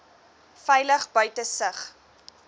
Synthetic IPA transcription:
fɛjləχbœɥtəsəχ

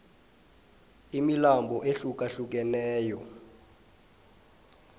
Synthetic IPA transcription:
imilambʱɔʔeɬuk̬ʼaɬuk̬ʼɛnɛːjɔ

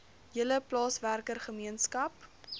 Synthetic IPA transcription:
jələplɑːsværkərχəmiənskɐp

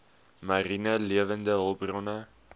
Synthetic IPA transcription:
marinəliəvəndəɦəlˠbrɔnə

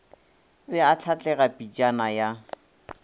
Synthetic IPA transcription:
bɛat͡ɬʰat͡ɬʼɛɣapʼit͡ʃʼanaja

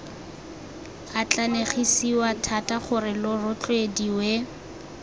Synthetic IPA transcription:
at͡ɬʼaneχisiwatʰatʼaχʊrɪlʊrʊt͡ɬʼwediwe

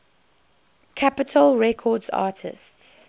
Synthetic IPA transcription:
kʰapɪtʰəlˠɹɛkʰɔːdza̰ːtʰɪ̰sts

